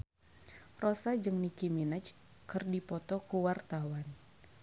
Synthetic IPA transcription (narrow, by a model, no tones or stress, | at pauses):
rɔsad͡ʒɨŋnikiminət͡ʃ | kɨrdipɔt̪ɔkuwart̪awan